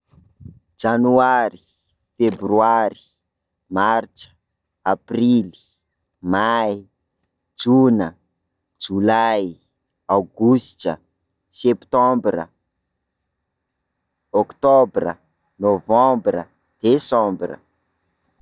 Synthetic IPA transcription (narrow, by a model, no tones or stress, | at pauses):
d͡ʒanuaɾi̥ | febryaɾi̥ | maɾt͡ʃə̥ | aprili̥ | maj | d͡ʒunə | d͡ʒulaj | awɡust͡ʃə̰ | sɛpt̪ɔ̃mbrə̰ | okt̪obrə̰ | novɑ̃mbrə̰ | d̪̥esɔ̃mbrə̰